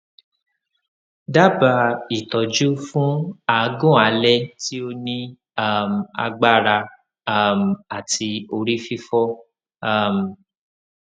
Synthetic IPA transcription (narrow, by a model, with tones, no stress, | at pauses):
da˦˨ba˧i˨tɔ˨d͡ʒu˦fũ˦a˦˧ɡũ˦˨a˨˧lɛ˦ti˦o˦nĩ˦ | a˦˨m̩˨a̰˧ɡ͡ba˦˨ɾa˧ | a˦˨m̩˨a˨tʰi˧o˧ɾi˦fi˦fɔ˦ | a˦˨m̩˨